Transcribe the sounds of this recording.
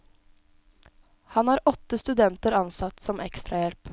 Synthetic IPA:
hɑnæːɾɔt̪ːəst̪ʉd̪ɛnt̪əɾɑnsɑt̪sɔmʔɛkst̪ɾɑjɛlp

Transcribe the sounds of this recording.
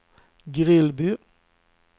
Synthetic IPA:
ɡʁɪlbʉː

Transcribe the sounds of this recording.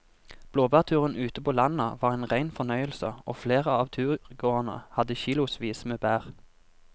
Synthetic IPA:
b̥loːbæːʁt̪ʰʉːʁənʔʉːt̪əpʰoːlɑnəʋɑːʁeːnʁæɪnfɔnœʏəlsəoːfleːʁəɑːʋt̪ʰʉːʁɡoːənə̰hɑd̪əçiːlʊsʋiːsmeːbæːʁ

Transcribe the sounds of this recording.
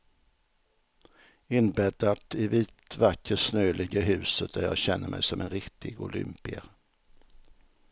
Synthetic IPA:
ɪnbɛd̪at̪ɪviːt̪vakːəsnøːlʔɪɡəɦʉ̟ːsət̪̚d̪æɾjɑ̰ːɡɕɛnːəɾmʔɛ̰jsɔmʔɛnɾɪkt̪ʰɪɡʊ̰lʏ̰mpɪə̰ɾ

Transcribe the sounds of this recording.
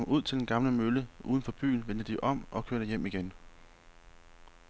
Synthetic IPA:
muð̞̰ˠt͡sʰe̝ld̥enɡ̥ɑ̈mləmøləuːð̞ˠn̩fɒ̽b̥y̰ːn̩ʋend̥əd̥iʔɒ̽m̰ʔɒ̽kʰøɐɾ̥əjem̰iɡ̥en

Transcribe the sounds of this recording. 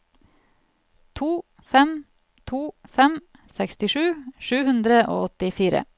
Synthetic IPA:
t̪ʰuː | fɛm | t̪ʰuːfɛm | sɛkst̪ɪʃʉːʃʉːhʉnd̪ɾəʔo̰ːɔt̪ɪfiːɾə̰

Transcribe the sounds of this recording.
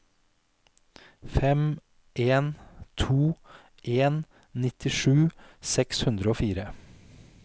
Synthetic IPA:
fɛm | ʔeːnt̪ʰuː | ʔeːn | nɪt̪ɪʃʉːsɛkshʉnd̪ɾəoːfiːɾə

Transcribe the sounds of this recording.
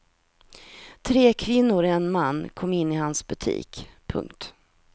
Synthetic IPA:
t̪ʰɾeːkʰvɪnːʊɾɛnmanːkʰɔmːɪnːɪhansbɵt̪ʰḭːkpʰɵ̰ŋkt̪

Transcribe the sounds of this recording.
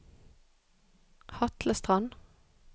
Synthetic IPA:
hɑt̪ləst̪ʁɑn

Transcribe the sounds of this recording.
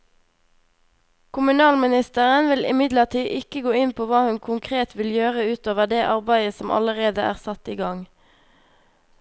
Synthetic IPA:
kʰʊmʉnɑːlmɪnɪst̪əʁənʋɪlɪ̰mɪd̪ləʁʈ̪ʰiːʔɪkəɡoːɪnpʰoːʋɑːhʉnkʰʊŋkʰʁeːt̪ʋɪljøːʁəʉːt̪oːʋəʁd̪eːʔɑʁbæɪəsɔmʔɑ̰ləʁeːd̪əʔæ̰ːʁsɑt̪iːɡɑŋ

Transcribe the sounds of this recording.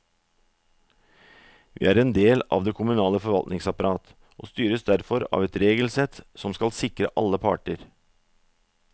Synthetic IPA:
ʋḭːæːɾɛnd̪eːlɑ̰ːʋd̪eːkʰʊmʉnɑːləfɔɾʋɑlt̪nɪŋsɑpɑɾɑːt̪ | ʔo̰ːst̪yːɾəsd̪æɾfɔɾɑ̰ːʋɛt̪ɾeːɡəl̩sɛt̪sɔmskɑlsɪkɾəʔɑ̰lːəpʰɑ̰ːʈəɾ

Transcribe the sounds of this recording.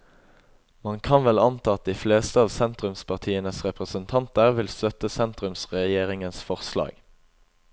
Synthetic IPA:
mɑŋkʰɑnʋɛlɑnt̪ʰɑːɑt̪̚d̪iːfleːst̪əɑːʋsɛnt̪ʁʉmspʰɑʁt̪ʰiːənəsʁɛpʁəsənt̪ʰɑnt̪əʁʋɪlst̪œt̪əsɛnt̪ʁʉmsʁɛjeːʁɪŋənsfɔʁslɑ̰ːɡ̥

